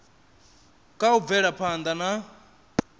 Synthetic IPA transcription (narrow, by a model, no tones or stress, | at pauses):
kʼaub̪vɛɺapʰand̪ana